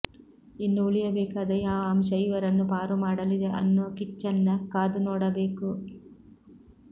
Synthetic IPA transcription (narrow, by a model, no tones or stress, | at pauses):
inːuuɭijɐbɛːkaːd̪ɐjaːʋaːmʃɐjʋɐɾɐnːupaːɾumaːɽɐlid̪e̞ʔɐ̰nːuʋɐkit͡ʃːɐnːɐkaːd̪unoːɽɐbeːku